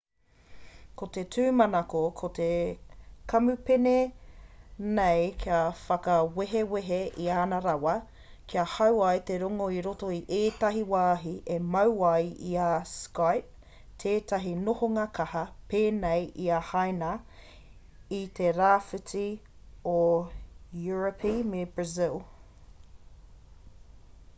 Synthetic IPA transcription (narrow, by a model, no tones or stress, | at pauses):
kot̪e̞tʰʉːmɐnɐkokʰot̪e | kʰɐmʉpene | nejkʰiɐfɐkɐweɦeweɦeʔiaːnɐɾɐwɐ | kʰiɐhɐwɐjteɾoŋoiɾotoiʔeːtɐɦiwaːɦiʔemɐwɐjiɐskajp̚ | tʰeːtɐɦinohoŋakʰɐhɐpeːnejiɐhajnɐ | it̪ʰeɾaːfɨt͡si | o | juɹəpʰimebɹɐzɪlˠ